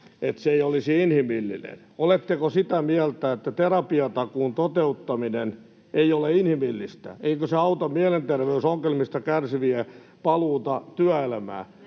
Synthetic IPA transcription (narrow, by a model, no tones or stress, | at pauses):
et̪seeijolisiinhimilːḭnḛn | olet̪ːekosit̪æmiælt̪æet̪ːæt̪erɑpiɑt̪ɑkuːnt̪ot̪eut̪ːɑminen | eioleinhimilːist̪æ̰eikøseɑut̪ɑmiælent̪erʋeysoŋkelmist̪ɑkærsiʋiæ | pɑluːt̪ɑt̪yæelæmæ̰ː